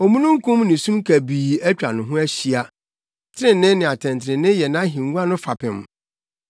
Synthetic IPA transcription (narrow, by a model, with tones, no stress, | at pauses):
o˨mũ˦nũ˦ŋ˦kʰũ˦mnɪ̃˨sũ˦mkʰæ˨biː˨æ˦t͡ɕᶣa̰˨nʊ̃˨ɦʊ̃˦æ˦ɕi˦a˨ | tʰɪ˦ɾɪ̃˦nːɪ̃˦nɪ̃˨a˨tʰɛ̃˨ntʰɪ˨ɪ̃˨nɪ̃˦jɛ˨nã˦ɦĩ˨ŋ˦ũ˦a˦nʊ̃˦fa˨pʰɪ̃˨m